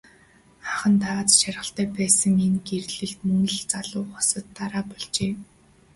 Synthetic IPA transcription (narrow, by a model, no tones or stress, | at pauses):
aχə̆nt̪awaːt͡s̪ʃarʲʁə̆ɬt̪æːpæːsə̆ŋenɡerɮɘ̆ɬt̪mɵnɘ̆ɮt͡saɮʊːɔsə̆t̪ːaɾaːpɔɮt͡ɕeː